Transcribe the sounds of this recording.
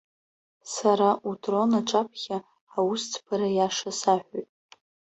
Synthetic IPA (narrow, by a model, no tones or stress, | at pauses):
saɾaʔutʰʼro̞naʈ͡ʂʼapʰχʲaː | wust͡sʰpʰaɾajaʂasaħʷᶣojtʼ